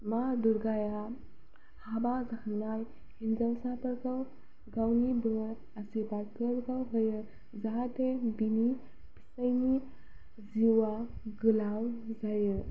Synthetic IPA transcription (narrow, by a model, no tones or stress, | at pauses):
maduɾɡaja | habazahnaj | hinzawsapəɾkʰaw | ɡawnibɯɾ | asibaɾkəɾkawɦɯjɯ | zaɦatebini | pi̥sajni | ziwaɡɯlawzajɯ